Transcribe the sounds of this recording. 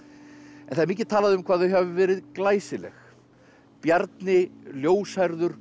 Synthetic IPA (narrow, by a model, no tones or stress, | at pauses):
ɛnθaɾmiːc̬ɪ̥t̪ʰaːlaðɪʏmkʰv̥aːðθœɥɦɛvʏvɛːɾɪðklaːjsɪlɛ̰x | pjaɾt̪nɪljoːwshaɾðʏɾ̥